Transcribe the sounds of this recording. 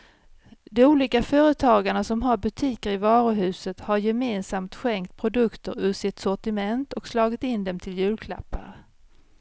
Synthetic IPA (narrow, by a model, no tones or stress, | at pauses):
d̪ɔuːliːkafœːɾət̪ʰɑːɡaɳasɔmɦaɾbɵt̪ʰiːkəɾɪvɑːɾʊɦʉ̟ːsət̪haɾjɛmeːnsamt̪ɧɛŋkt̪̚pʰɾʊd̪ɵkt̪əɾʉ̟ːsɪt̪sɔʈɪmɛnt̪ɔkslɑːɡɪt̪ɪnd̪ɛmt̪ʰɪljʉ̟ːlkʰla̰pːa̰ɾ